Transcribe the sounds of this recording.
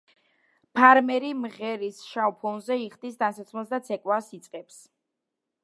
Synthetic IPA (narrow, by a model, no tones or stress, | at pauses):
pʰaɾmɛɾimʁɛɾisʃaupʰɔnzɛiχd̪isd̪ansat̪sʰmɛlˠsd̪at̪sʰɛkʼwasit̪sʼqʼɛps